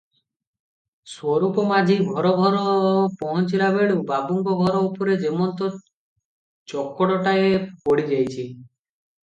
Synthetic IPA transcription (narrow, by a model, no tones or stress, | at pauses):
swɔɾukɔmad͡ʒʱibʱɔɾɔbʱɔɾɔpɔɦɔnt͡ʃilabeɭebabuŋɡɔbʱɔɾɔupɔɾed͡ʒemɔnt̪ɔ | t͡ʃɔkːɔɽɔʈaepoɽid͡ʒajt͡ʃʰi